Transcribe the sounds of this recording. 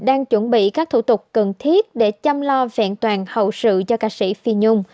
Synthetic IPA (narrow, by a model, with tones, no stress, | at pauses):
ɗaː˧ŋt͡ɕwə˧˩nɓḭ˧˨kaː˦˥k̚t̪ʰu˧˩˦t̪ʊ˨˩k͡p̚kə˨˩nt̪ʰi˦˥ət̚ɗe˧˩t͡ɕa˧mlɔ˧vɛ̰˧˨nt̪waː˨˩nhə̰˧˨wsɨ̰˧˨t͡ɕɔ˧kaː˧˩sḭ˧˥fi˧ɲʊ˧ŋ͡m